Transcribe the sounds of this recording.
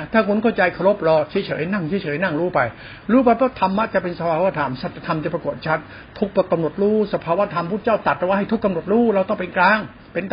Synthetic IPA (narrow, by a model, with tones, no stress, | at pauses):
t̪ʰaː˥˩kʰu˧nkʰa˥˩wt͡ɕa˧jkʰa˧ɾo˦˥p̚ɾɔː˧t͡ɕʰi˦˥˦t͡ɕʰɤ̰ː˩˦jna˥˩ŋt͡ɕʰiː˦˥˦t͡ɕʰɤː˩˨˦jna˥˩ŋɾuː˦˥pa˧j | ɾuː˦˥p̬a˧jpʰɔː˥˩t̪ʰa˧mːa˦˥t͡ɕa˨˩pe˧nsa˧pʰaː˧waː˦˥˩t̪ʰaː˩˦msa˨˩t̪ːa˧t̪ʰa˧mt͡ɕa˨˩pɾa˧ku˨˩ət̪̚t͡ɕʰa˦˥t̪̚ʰː | u˦˥k̚pɔ˧˩kːa˧mno˨˩t̪̚ɾuː˥˩sa˧pʰaː˧wa˦˥t̪ʰa˧mpʰuː˥˩t̪̚t͡ɕa˥˩wt̪a˨˩t̪̚ɾɛ˧wa˥˩ɦa˥˩jt̪ʰu˦˥kːa˧mno˨˩t̪̚ɾuː˥˩ɾa˧wt̪ɔ˥˩ŋpe˧nklaː˦˥˩ŋ | pe˧nt̪